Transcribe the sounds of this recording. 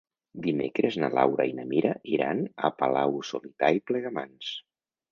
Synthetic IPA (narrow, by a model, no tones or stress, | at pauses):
d̪imekɾeznalawɾainəmiɾaʔiɾa̰nə̰pəlawsulit̪aiplɛɣamans